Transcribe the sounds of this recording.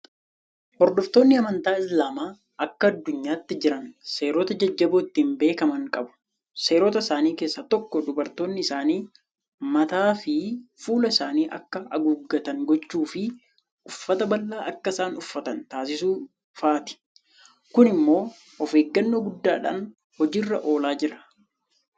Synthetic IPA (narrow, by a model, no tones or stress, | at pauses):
hɔɾd̪ɔft̪o̞ːnːɪɐmɐnt̪aːɪslaːmaː | ʔɐkːɐːd̪ːʊɲːaːt̪ːɪd͡ʒɪɾɐnse̞ːɾoːt̪ɐd͡ʒɐd͡ʒːɐboːɪt̪ːiːmbe̞ːkɐmɐŋkʼɐbʊ̥ | se̞ːɾoːt̪ɐɪsaːniːke̞ːsːat̪ɔkːɔd̪ʊbɐɾt̪o̞ːnːɪɪsaːniː | mɐt̪aːfɪfuːlɐɪsaːniːʔɐ̰kːɐɐɡuɡːɐt̪ɐŋɡɔt͡ʃːuːfɪ | ʊfːɐt̪ɐbɐlːaːʔɐkːɐɪsaːnʊfːɐt̪ɐnt̪aːs̬ɪsuː | faːt̪ɪ̥ | kʊnɪmːo̞ː | ɔfeːɡːɐnːoːɡʊd̪ːaːᶑa̰ːn | hɔd͡ʒiːrːɐʔo̞ːlaːd͡ʒɪɾɐ̥